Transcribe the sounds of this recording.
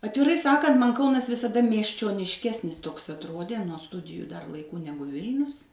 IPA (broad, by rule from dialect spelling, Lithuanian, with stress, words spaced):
ɐtʲʋʲɪˈrɐɪ ˈsɑːkɐnt ˈmɐnʲ ˈkɐʊnɐs ʋʲɪsɐˈdɐ mʲiɛsʲt͡ʃʲoːnʲɪʃʲˈkʲæːsʲnʲɪs toːks ɐtˈroːdʲeː nuɔ ˈstʊdʲɪjʊ dɐr lˠɐɪˈkuː ˈnʲæːɡʊ ˈʋʲɪlʲnʲʊs